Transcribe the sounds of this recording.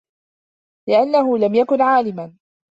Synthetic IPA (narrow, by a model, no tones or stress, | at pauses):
lɪʔanːaɦʊːlamjakʊnʕaːlɪma